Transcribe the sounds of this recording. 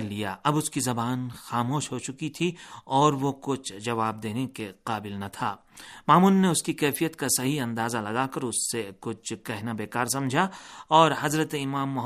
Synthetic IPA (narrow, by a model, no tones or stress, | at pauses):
ɾlija̰ʔɐbʊskizɐbaːnxaːmoːʃɦot͡ʃʊkit̪ʰiɔːɾʋokʊt͡ʃʰd͡ʒɐʋaːb̚d̪eːnekeqaːbɪlnɐt̪ʰa̰ː | maːmuːnːeʊskikɛːfijət̪kasɐɦiɐ̃nd̪aːzalɐɡaːkɐɾʊsːekʊt͡ʃʰkɛɦnabeːkaːɾsɐ̃md͡ʒʱaɔːɾɦɐzɾət̪eɪmaːmːʊɦ